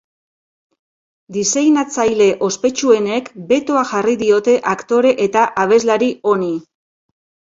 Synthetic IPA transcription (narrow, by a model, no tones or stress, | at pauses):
d̪isejnat͡sajle̞ʔo̞spe̞t͡ʃue̞ne̞kbe̞t̪oaʝariðio̞t̪e̞ʔakt̪o̞ɾe̞ʔet̪aʔaβ̞e̞zlaɾio̞ni